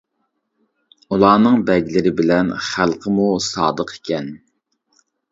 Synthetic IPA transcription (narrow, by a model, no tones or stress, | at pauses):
ulˠɑːnɨŋbɛɡʲlɪɾɪbɪlɛnχælˠqʰəmusɑːd̪əqʰe̥kʲɛn